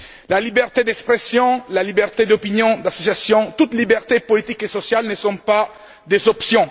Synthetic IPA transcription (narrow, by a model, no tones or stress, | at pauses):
lalibɛʁt̪ed̪ɛkspχesjɔ̃lalibɛʁt̪ed̪ɔpinjɔ̃d̪asɔsjasjɔ̃t̪ut̪libɛʁt̪epɔlit̪ikesɔsjalnəsɔ̃pa | d̪ezɔpsjɔ̃